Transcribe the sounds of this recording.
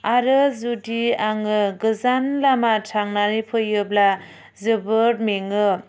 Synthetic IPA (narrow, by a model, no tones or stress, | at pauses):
aɾɯzudiaŋɯɡɯzanlamatʰaŋnaɾipʰɯjɯbla | zɯbɯɾmeŋɯ